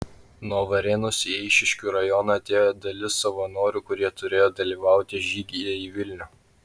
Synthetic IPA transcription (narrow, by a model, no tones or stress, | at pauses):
nuɔʋɐɾʲɛːnʊsiɛɪʃʲɪʃʲkʲuːɾɐjɔnɐɐt̪ʲeːjoːd̪ɐlʲɪsːɐʋɐnoːɾʲukʊɾʲiɛt̪ʊɾʲeːjoːd̪ɐlʲiːʋɑˑʊt̪ʲɪʒʲiːɡʲijɛiʋʲɪlʲnʲu